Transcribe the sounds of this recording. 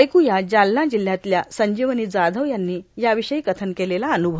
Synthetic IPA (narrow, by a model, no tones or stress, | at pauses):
jkujad͡ʑalnad͡ʑil̤jat̪ljasəɲd͡ʑiʋəniːd͡zad̪ʱəʋjanːiːjaʋiɕəiːkət̪ʰənkelelaənubʱə